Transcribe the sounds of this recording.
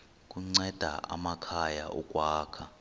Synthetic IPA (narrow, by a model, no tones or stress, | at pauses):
k̬ʼuŋ͡ǀɛd̥ʱa̰ʔa̰makʰajaʔɔkʼwaːkʰa